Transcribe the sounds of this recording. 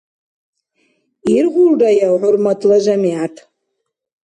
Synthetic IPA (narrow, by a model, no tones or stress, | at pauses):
irʁʷʊlrajaʕʷʊrmatʰʼlaʒʷamiatʰʼ